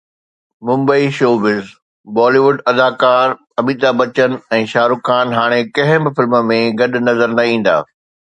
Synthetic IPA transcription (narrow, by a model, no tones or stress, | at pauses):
mʊ̃mbəiʃoːʋɪz | bɔːliʋʊɖɐd̪aːkaːɾ | ɐmiːd̪abɐt͡ɕən̆ɛ̃ːʃaːɾʊkaːnɦaːɽ̃ekɐ̃ɦɪ̃bɪfɪlmmẽɡɐɗʊ̆nɐzəɾnɐĩːn̆d̪a̰ː